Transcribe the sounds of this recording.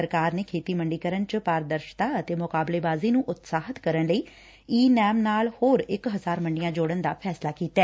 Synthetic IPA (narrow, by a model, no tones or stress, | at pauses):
əɾkaːɾneːkʰeːt̪iːməɳɖiːkəɾənt͡ʃəpaːɾd̪əɾʃt̪aːət̪eːmʊkaːbleːbaːziːnũːʔʊt̪saːɦət̪kəɾənləiː | iːnɛːmnaːlhoːɾɪkɦəzaːɾməɳɖijãːd͡ʒoːɽənd̪a̰ːpʰɛːslaːkiːt̪ɛː